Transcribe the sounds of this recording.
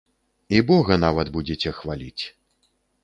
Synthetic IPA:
ibɔɣɐn̪avɐt̪bud͡zʲet͡sʲɛxvalʲit͡sʲ

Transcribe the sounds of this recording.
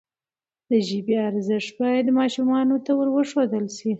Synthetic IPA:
d̪əʒibeaɾzɪʂt̪bɑjad̪mɑʃumɑnot̪awəɾwəʂod̪əlʃi

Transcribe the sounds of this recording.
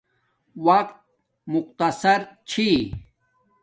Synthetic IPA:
wɐq̚t̪̚ | mʊq̚t̪ɐsɐɾt͡ɕʰi

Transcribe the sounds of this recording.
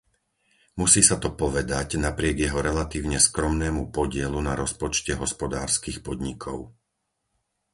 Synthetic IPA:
musiːsat̪ɔpɔʋɛd̪aɟnapɾɪɛɡjɛɦɔɾɛlat̪iːʊɲɛskɾɔmnɛːmupɔɟɪɛlunaɾɔspɔt͡ʃcɛɦɔspɔd̪aːɾskiːxpɔd̪ɲikʰɔʊ

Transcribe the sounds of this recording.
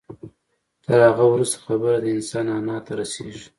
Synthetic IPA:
t̪əɾhaɣawɾust̪ḁxabəɾad̪əɪnsɑnɑnɑt̪aɾaseʒi̥

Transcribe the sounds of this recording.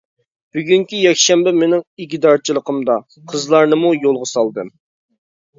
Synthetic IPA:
b̥yɡʲyŋkʲijɛkʲʃɛmbɛmenɪŋiɡʲd̪ɑɾt͡ʃʰilˠəqʰəmd̪ɑ | qʰəzlˠɑɾnɨmujolˠʁəsɑlˠd̪ɨm

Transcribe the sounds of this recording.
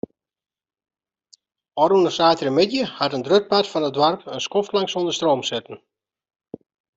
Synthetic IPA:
ɔɾunəsaːtəɾəmɪdjəhatəndrøk̚patfɔnədwarpənskɔftlaŋsondərstroːmsɪtən̩

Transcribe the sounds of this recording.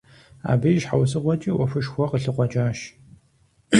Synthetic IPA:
a̰ːbɨjʃħawsɨqʷɔt͡ʃʼiwɐfɨʃxʷɔqəɬɨqʷɔt͡ʃʼaːʃ

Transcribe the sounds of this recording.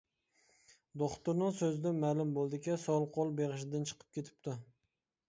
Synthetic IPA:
d̪oχt̪ʊɾnɪŋsɵzɪd̪amalʊmbolˠd̪ɪkʲasɒlˠqʰolˠbeʁɨʃ̬ɪd̪ant͡ʃʰɨ̥qʰɨ̥p̚kʲʰet̪ʰɪ̥p̚t̪ʰɪ

